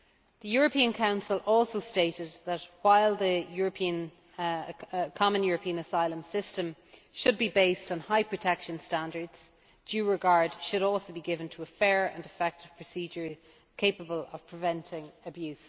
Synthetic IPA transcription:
ðəjɔːɹəpʰĩə̃nkʰãʊ̃nsəlʔɔlˠsoʊsteɪɾɪd̪̚ðət̚waɪlˠðəjɔɹəpʰĩə̃n | kʰɑmə̃njɔːɹəpʰĩə̃nəsaɪlə̃msɪstə̃m | ʃəd̚bibeɪstn̩haɪpʰɹ̥ətʰɛkʃə̃nstãndə˞dz̥ | d̥jʉːɹɪɡaɹdʃəɾɔˑlˠsoʊbiɡɪvə̃ntʰəːfɛːɹə̰̃nɪfɛk̚tɪv̥pʰɹ̥əsid͡ʒə˞ | kʰeɪpəbələv̥pʰɹ̥ɪvɛ̃ntʰɪ̃ŋəbjʉs

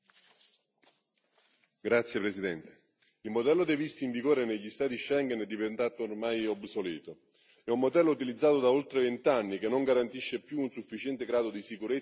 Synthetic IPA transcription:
ɡɾat̪sjepɾesid̪ɛnt̪e̥ | ilmod̪ɛlːod̪ejvist̪iːɱviɡoːɾeneʎːist̪aːt̪iʃɛŋɡɛnɛd̪ːivent̪aːt̪oːrmajobsoliːt̪o | ɛummːod̪ɛlːout̪ilid̪zːaːt̪od̪aolt̪ɾevent̪anːikenːoŋɡaɾant̪iʃːepjuːnsufːit͡ʃɛnt̪eɡɾaːd̪od̪isikuɾe

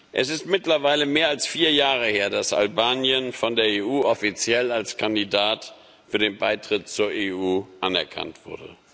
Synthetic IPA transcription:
ʔɛ̰sɪstmɪtlɐvaɪləmeːɐalsfiːɐjaːʁ̞əheːɐdasʔa̰lbaːnjənfɔndeːɐeːʔuːʔɔfit͡sjɛlalskʰandidaːt | fyːɐdeːnbaɪtʁ̥ɪt̚t͡suːɐeuːʔanɛ̰ɐkʰa̰ntv̥ʊ̰ɐdə̰

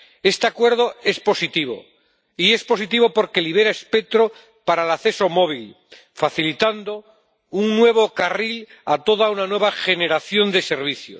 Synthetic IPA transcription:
e̞st̪eakwe̞ɾð̞o̞e̞spo̞sit̪iβo̰ | iespo̞sit̪iβo̞po̞ɾke̞liβ̞e̞ɾaespe̞k̚t̪ɾo̞ | paɾaelaθe̞somo̞β̞il | faθilit̪and̪o̞ | uŋnwe̞β̞o̞karil | at̪o̞ðaunanwe̞βaxe̞neɾaθjo̞nd̪e̞se̞ɾβiθjo̰s

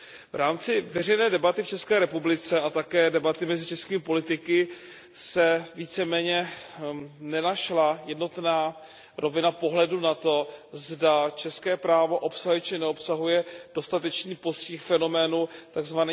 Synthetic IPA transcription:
vɾaːmt͡sɪvɛr̝ɛjnɛːdɛbat̪ɪft͡ʃɛskɛːɾɛpublɪt͡sɛat̪akɛːdɛbat̪ɪmɛzɪt͡ʃɛskiːmɪpo̞lɪt̪ɪkɪ | sɛviːt͡sɛmɛːɲɛ | nɛnaʃlajɛdno̞t̪naː | ɾʔo̞vɪnapo̞ɦlɛdunat̪o̞zdat͡ʃɛskɛːpɾaːvo̞ʔo̞psaɦɛt͡ʃɪnɛo̞psaɦujɛd̥o̞st̪at̪ɛt͡ʃniːpo̞scɪxfɛno̞mɛːnut̪aɡzvani

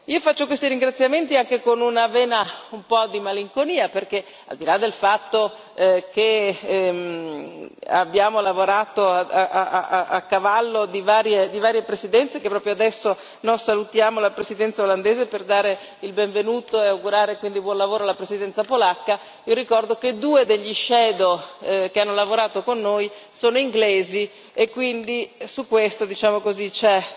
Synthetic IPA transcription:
iːofat͡ʃːokwest̪iɾiŋɡɾat̪sːjament̪iaŋkekonunavɛːnaumpɔd̪imaliŋkoniːaperke | a̰ld̪ilad̪ːelfat̪ːo | kem | a̰bːjaːmolavoɾaːt̪oaaaakːavalːod̪ivaːɾjed̪ivaːɾjepɾesid̪ɛnt̪sekepːɾɔːpɾjoad̪ɛsːo | nosalut̪jaːmolapɾezid̪ɛnt̪saoland̪eːzeperd̪aːɾe | ilbeɱvenuːt̪oeawɡuɾaːɾekwind̪ibwɔnlavoːɾoalːapɾezid̪ɛnt̪sapolakːa | iːoɾikɔrd̪oked̪uːed̪eʎːiʃɛːd̪ok̟eanːolavoɾaːt̪okonːojsoːnoiŋɡleːzi | ekːwind̪isukːwest̪od̪it͡ʃaːmokozit͡ʃɛ

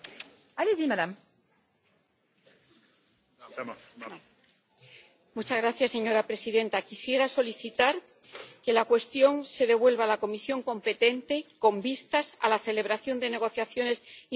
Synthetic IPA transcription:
alezimad̪am | mut͡ʃazɣɾaθjasːe̞ɲo̞ɾapɾe̞siðẽ̞nt̪akisje̞ɾaso̞liθit̪aɾ | ke̞lakwe̞st̪jo̞ŋse̞ðe̞βwe̞lβ̞alako̞misjo̞ŋkõ̞mpe̞t̪e̞nt̪e̞kõ̞mbist̪asa̰laθe̞le̞β̞ɾaθjo̞nd̪e̞ne̞ɣ̞o̞θjaθjo̞ne̞si

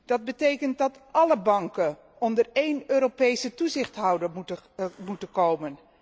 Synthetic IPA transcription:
d̥ɑd̚bətejkənt̚dɑtʔɑləbɑŋkən | ɔndərejnøːɾopejsətuzɪχtɦɑwdəɹmuəmutənkowmən

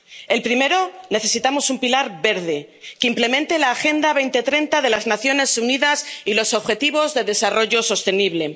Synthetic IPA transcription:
e̞lpɾime̞ɾo̞ne̞θe̞sit̪amo̞sumpilaɾβe̞ɾð̞e̞ | keimple̞ment̪e̞laːxe̞nd̪aβe̞jnt̪e̞t̪ɾe̞nt̪aðe̞laznaθjo̞ne̞suniðasilo̞so̞βxe̞t̪iβ̞o̞zðe̞ðe̞saro̞ʝo̞so̞st̪e̞niβle̞

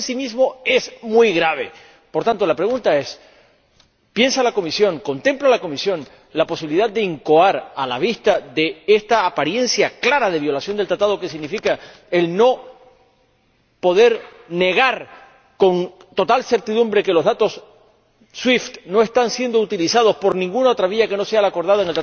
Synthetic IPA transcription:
nsimizmo̞e̞smwujɣɾaβ̞e̞ | po̞ɾt̪ant̪o̞lapɾe̞ɣũnt̪ae̞s | pje̞nsalako̞misjõ̞ŋko̞nt̪ẽ̞mplalako̞misjo̞ŋ | lapo̞siβiliðad̪̚d̪e̞iŋko̞aɾalaβ̞ist̪aðe̞est̪aːpaɾje̞nsjaklaɾaðe̞βjo̞lasjo̞nd̪elt̪ɾat̪að̞o̞ke̞siɣnifika | e̞lno̞ | po̞ð̞e̞ɾ | ne̞ɣ̞aɾ | ko̞ŋ | t̪o̞t̪alse̞ɾt̪iðumbɾe̞ke̞lo̞ɦðat̪o̞s | swift̪no̞e̞st̪ansje̞nd̪out̪ilisað̞o̞spo̞ɾnĩŋɡunao̞t̪ɾaβiʝake̞no̞sealako̞ɾðaðeŋlt̪ɾa

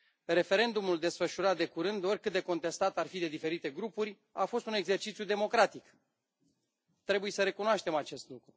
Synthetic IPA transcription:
re̞fe̞ɾe̞nd̪umuld̪e̞sfəʃuɾat̪̚d̪e̞kuɾɨnd̪o̞rʲkɨt̪̚d̪eko̞nt̪e̞st̪at̪arfid̪e̞d̪ife̞ɾit̪e̞ɡɾupurʲ | afo̞st̪une̞ɡze̞rt͡ʃit̪sjud̪e̞mo̞kɾat̪ik | t̪ɾe̞buje̞səɾe̞kunoaʃt̪e̞mat͡ʃe̞st̪lukɾu

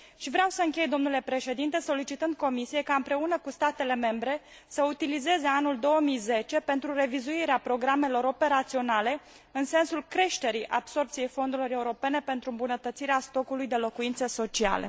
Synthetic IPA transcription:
ʃivɾeawsəɨŋkʲe̞jd̪o̞mnule̞pɾe̞ʃe̞d̪int̪e̞so̞lit͡ʃit̪ɨnd̪̚ko̞misije̞kaɨmpɾe̞unəkust̪at̪e̞le̞me̞mbɾe̞ | səut̪ilize̞zeanuld̪o̞wəmijze̞t͡ʃe̞pe̞nt̪ɾure̞vizuiɾeapɾo̞ɡɾame̞lo̞ɾo̞pe̞ɾat̪sio̞nale̞ | ɨnse̞nsulkɾe̞ʃt̪e̞ɾiʔa̰bso̞rpt̪sije̞jfo̞nd̪uɾilo̞ɾe̞uɾo̞pe̞ne̞pe̞nt̪ɾuɨmbunət̪ət̪siɾeast̪o̞kulujd̪e̞lo̞kuint̪seso̞t͡ʃia̰lḛ

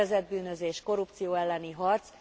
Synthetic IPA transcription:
ɛzɛd̪̚byːnø̞zeːʃko̞ɾupt̪sijoːɛlːɛniɦɒrt̪s

